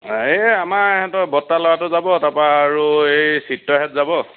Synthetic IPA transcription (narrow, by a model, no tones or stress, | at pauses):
eamaɛhɛtɔbɔtːalɔwatʊzabɔtapaːɹuejsitːɔɦɛtzabɔ